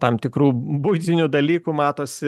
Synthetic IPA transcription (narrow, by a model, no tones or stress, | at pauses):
t̪ɐmt̪ʲɪkɾuːbʊɪt̪ʲɪnʲud̪ɐlʲiːkumɑːt̪oːsʲɪ